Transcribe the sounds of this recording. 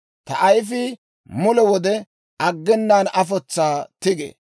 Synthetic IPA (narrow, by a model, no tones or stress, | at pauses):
t̪ɐʔɐjfɪ | mʊlɛwɔd̪ɛ | ɐɡːɛnːaːnɐfɔt͡sːaːt̪ɪɡḛː